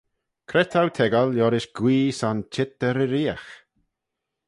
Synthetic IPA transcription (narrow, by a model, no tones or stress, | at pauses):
kʰɾɛt̪ʰawt̪ʰɛɡaljɔɾɪʃɡ̥wiːsant͡ʃʰɪt̚ɛɾɪɾiːax